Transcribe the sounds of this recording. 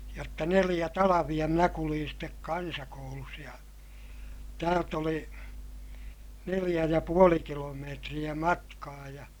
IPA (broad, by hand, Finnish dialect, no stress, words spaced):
jotːɑ nelij̆æ tɑlɑʋij̆ɑ minæ kuliːn stek kɑnsɑkoulus jɑ tæːlt oli nelij̆æ jɑ puoli kilomeːtrij̆æ mɑtkɑː jɑ